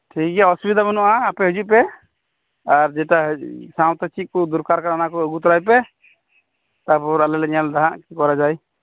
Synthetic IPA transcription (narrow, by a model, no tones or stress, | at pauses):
ʈʰikɛɔsubid̪ʱamənuʔaːpɛɦəd͡ʒuʔ̚pɛ | aɾd͡ʒɛʈaɦsaw̃t̪ɛt͡ʃʰit̪̚kɔd̪uɾkaɾkaɾanakɔəɡut̪ɔɾajp̬ɛ | t̪aɾpɔɾalɛlɛɲald̪aɦãʔkikɔɾad͡ʒaj